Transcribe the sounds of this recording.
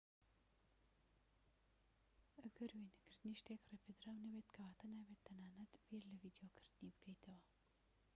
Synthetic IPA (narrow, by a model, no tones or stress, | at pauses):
ɐɡɐɾwinkʰɨɾt̪ɨniːʃt̪eːkreːpʰed̪ɾaːwnɐbeːt̪kʰɐwaːt̪ɐnabeːt̪ʰːɐnaːnɐt̪biːɾlɨviːd̪jokʰɨɾt̪ɨnibɨkʰɐjt̪ʰɐwɐ